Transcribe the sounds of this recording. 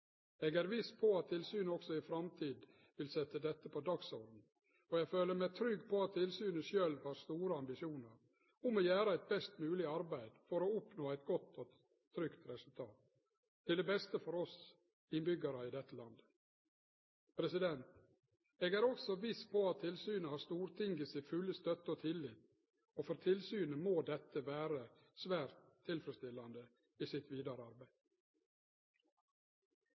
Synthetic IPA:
eːɡæɾʋɪspʰɔɑt̪ʰːɪlsyːnəɔksɔɪfɾɑmt̪ʰiːd̪ | ʋɪlsɛt̪ːəd̪ɛt̪ːəpʰɔd̪ɑksɔɾd̪n̩ | ɔjæɡføːləɾmæt̪ʰɾʏɡːpʰɔɑt̪ʰːɪlsyːnəʃøːlʋɑːɾst̪uːɾəɑmbɪʃɪuːnəɾ | ʊmɔːjæːɾɑæɪt̪̚bɛst̪mʉːlɪɑɾbæɪd̪fɔɾoːʊpnoːæɪt̪ɡɔt̪ːɔ | t̪ʰɾʏkt̪ɾɛsʉlt̪ʰɑːt̪ | t̪ʰːɪld̪ɛbɛst̪əfɔɾɔs | ɪnbʏɡɑɾɑɪd̪ɛt̪ːəlɑnd̪ə | pʰɾɛsɪd̪ɛnt̪ | eːɡæːɾɔksɔʋɪspʰɔɑt̪ʰːɪlsyːnəhɑːɾst̪uːɾt̪ʰɪŋɡəsɪfʉlːəst̪œt̪ːəɔt̪ʰɪlɪːt̪ | oːfɔɾt̪ʰɪlsyːnəmoːd̪ɛt̪ːəʋæːɾə | sʋæːɾt̪ʰːɪlfɾəst̪ɪlːɑnd̪ə | iːsɪt̪ʋiːd̪ɑɾəɑɾbæɪd̪

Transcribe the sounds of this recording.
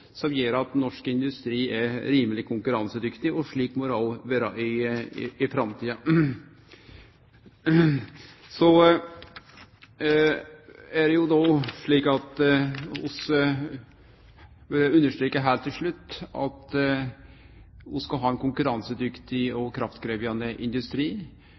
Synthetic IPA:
sɔmjøːɾɑt̪nɔʂkəɪnd̪ʉst̪ɾiːɛɾiːməlɪkʰʊŋkʉɾɑnsəd̪ʏkt̪ɪɔʂɭiːkmɔɾɑlʋæːɾɑʔɪ | ɪfɾɑmt̪ʰiːə | sɔ | æɾɛjʊd̪oːʂɭiːkɑt̪ | ʊsə | ʋɛɾəʉnːəʂʈ̪ɾiːkəɦæːɾt̪ʰɪlʂɭʉt̪ːɑ̰t̪ | ʊskɑlɦɑːɛnkʊŋkʉɾɑnsəd̪ʏkt̪ɪɔkʰɾɑft̪ɡɾeʋjɑnd̪əʔɪnd̪ʉst̪ɾiː

